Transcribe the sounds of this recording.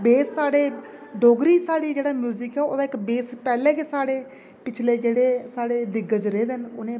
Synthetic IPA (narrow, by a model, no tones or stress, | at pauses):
beːsːaːɽeː | d̪oːɡɾiːsaːɽiːd͡ʒeːɽaːmjuːzɪkɛːoːd̪aːɪkbeːspɛːlɛ̃ːkeːsaːɽeː | pɪt͡ʃʰleːd͡ʒeːɽeːsaːɽeːd̪ɪɡəd͡ʒɾeːd̪ənʊnẽː